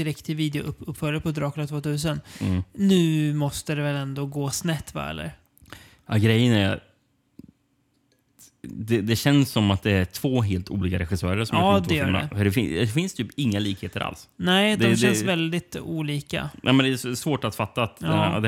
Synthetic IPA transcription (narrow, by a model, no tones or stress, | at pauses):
d̪ɪɾɛkt̪ʰːɪlviːd̪ɛʊ̰ʔpːɵpːfœləpʰɔd̪ɾɑːknat̪ʰvoːt̪ʰʉ̟ːs̬ənːnʉ̟ːmɔst̪əd̪ɛvɛlɛnd̪oːɡoːsnɛt̪ːva̰ɛ̰lːə̰ɾ | ɑ̰ɡɾɛjːənæɾa̰ | d̪ɛd̪ɛɕɛnsːɔmat̪̚d̪ɛæʈʰv̥oːɦeːlt̪ʰṵːliːkaɾɛɧɪsœːɾəɾsɔmɑːd̪vfɛjjœ̰ːɛfœɖɛfɪnɛfɪnst̪ʰyːpɪŋːaliːkheːt̪əɾʔa̰lsnɛɪɯtd̪ɛaɛɕɛnsvɛld̪ɪt̪uːliːka̰nʔɛmɛnd̪ɛssvoːʈat̪fat̪ːat̪ːd̪